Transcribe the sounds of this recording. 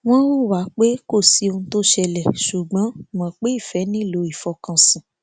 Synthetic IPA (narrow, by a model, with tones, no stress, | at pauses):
w̃ɔ̃˦wu˦wa˨˦k͡pe˦ko˦˨si˨˦ũ˧to˦ʃɛ˧lɛ˨ʃu˨ɡ͡bã˨˦mɔ̃˨k͡pe˦i˦˨fɛ˨˦nĩ˦˨lo˨˦i˨fɔ˧kã˧sĩ˨